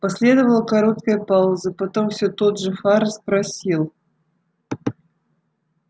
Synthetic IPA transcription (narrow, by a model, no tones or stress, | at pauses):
pɐsʲlʲed̪əvəlˠəkɐɾo̞t̪kəjəpaʊzɨpɐt̪omfsʲot̪ot̪ʐɨfaɾspɾɐsʲilˠ